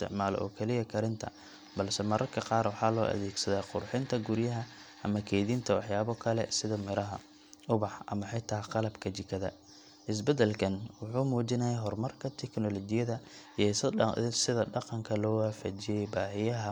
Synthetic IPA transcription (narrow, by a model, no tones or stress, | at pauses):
st̪ʰɪ̰ʕmaːlɔ̰ʔɔ̰ːkʰɛlɪjɐkʰɐɾɪnt̪ʰɐ̰ | bɐlsɛmɐɾʔɐrkʰɐqɑːrwɑħɑːlɔːʔɐ̰ðeːɡsɐðaːqʊrħɪnt̪ʰɐɡʊɾjɐɦɐʔɐmɐkʰɛːðiːnt̪ʰɐwɑħjaːβɔkʰɐlɛ̰sɪðɐmɪɾɐɦɐ | ʔʊβɑħʔɐ̰mɐħɪt̪ʰaːqɑlɐbkʰɐt͡ʃɪkʰɐðɐ̰ | ʔɪs̬bɛd̪ɛlkʰɐnwʊħuːmuːt͡ʃɪnɐjɛjɦɔrmɐrkʰɐt̪ʰɛknɔlɔt͡ʃɪjɐðɐ | ɛssɪðɐɖɑqɑŋkʰɐlɔːwaːfat͡ʃɪjɛjbaːɦɪjɐɦɐ